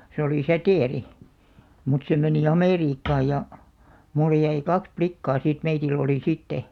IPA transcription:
se oli sæteˑri mut se meni ɑmeˑriːkːɑː jɑ mulːe jæi kɑks plikːɑː siˑt meitilː oliˑ sitːe

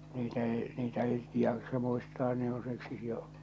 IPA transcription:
niːtæ eˑi̞ niːtæ eˑi̞ jɑksɑ muistɑː ne on siksi jo

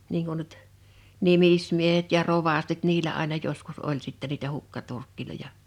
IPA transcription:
niːŋ kun nyt nimismiehet jɑ roʋɑstit niːlæ ɑˑenɑ joskus olʲ sitːæ niːtæ hukːɑturkːilojɑ

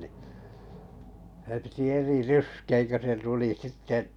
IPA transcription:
ni sĕ piti eri ryskeːŋ kø se tuli sitːeʔ

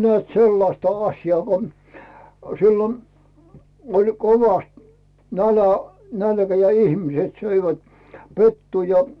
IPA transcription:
nĕæˑt selːɑstɑ ɑsʲjɑː ko siːlon olʲ koʋɑst nælæ nælkæ jɑ ihmĭset søiʋæt petːuː jɑ

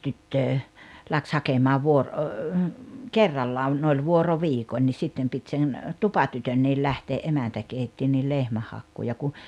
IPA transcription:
tytːøː læks hɑkemɑː ʋuor o kerːɑlːɑːn ne olʲ ʋuoroʋiːkonʲ nʲis sitːem pit sen tupɑtytønːiːl læhteːʔ ʔemæntæ keitːi nil lehmæhːɑkːuː jɑ ku

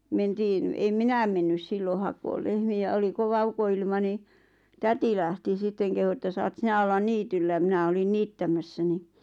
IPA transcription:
mentiːn em minæm menːys silːo hɑkoːl lehmiæ oli koʋɑ ukoilmɑ ni tæti læhti sitːeŋ kehu ĕtːæ sɑːt sinæ olːɑn niːtylːæ mĭnæ olin niːtːæmæsːæ ni

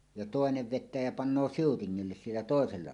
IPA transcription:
jɑ toˑeneʋ ʋetˑæː jɑ pɑnːoː siutiŋːilːes sielːæ toˑeselːɑ

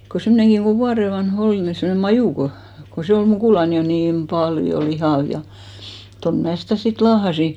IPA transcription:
ko semːŏneŋkiŋ ɡ̊o ʋuɑre ʋɑnh ol ni semne mɑjuˑ ko ko se ol mukuˑlɑn jo niːm pɑljo lihɑˑʋ jɑ jɑ ton mæː sitæˑ sit lɑːhɑsi

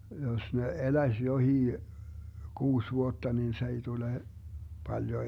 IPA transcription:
jos ne elæĭs johiː kuːs ʋuotːɑ nin s ei tule pɑljo

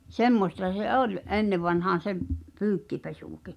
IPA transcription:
semːostɑ se ʔol ʔenːeʋˑɑnhɑːn̞ se pyːkːipesuˑki

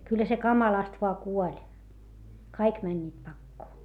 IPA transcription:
kylːæ se kɑmɑlɑst ʋoɑ kuolʲ kɑik mænʲːiːt pɑkːoː

